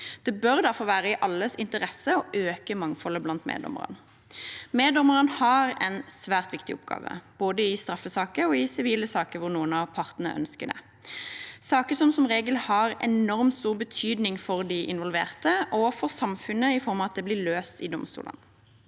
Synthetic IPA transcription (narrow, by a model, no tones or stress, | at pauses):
d̪̥ɛbœʁd̪æʁfɔʁʋæːʁəɪʔɑlːəsɪnt̪əʁɛsəɔʔøːkəmɑŋfɔlːəblɑnt̪mḛːd̪ɔ̰mə̰ʁə̰n | meːd̪ɔməʁənhɑʁɛnsʋæːʁt̪ʋɪkt̪ɪɔp̚ɡɑ̰ːʋə̰b̥oːd̪əɪst̪ʁɑfːəsɑːkəɾɔɪsɪʋiːləsɑːkəɾʋʊʁnuːənɑʋpʰɑʁt̪nəə̰ʔœ̰nskəd̪ɛ̰ | sɑːkəsɔmsɔmʁeːɡəlhɑʁɛ̰nɔʁmt̪st̪uːʁbət̪ʰyːd̪nɪŋfɔʁd̪ɪʔɪnʋɔlʋḛːʁt̪əʔɔfɔʁsɑmfʉnəɪfɔɾmɑʋɑt̪̚d̪ɛblɪːløːst̪ɪd̪ɔmst̪ṵːlə̰n